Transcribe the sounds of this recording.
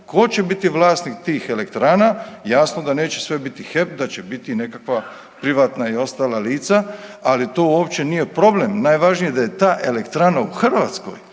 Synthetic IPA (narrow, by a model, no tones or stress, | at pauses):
ko̞t͡ɕe̞bit̪iʋlˠaːsnik̚t̪iːxe̞lekt̪ɾaːnajaːsnod̪ane̞ːt͡ɕe̞sʋe̞bit̪ixe̞p̚d̪at͡ɕebit̪ine̞kakʋa | pɾiʋaːt̪naio̞st̪aːlaliːt̪saalit̪o̞ːuoːpt͡ɕe̞nije̞pɾo̞blemnajʋaʒnijed̪aje̞t̪aːʔe̞lekt̪ɾaːnauxr̩ʋaːt̪sko̞̰j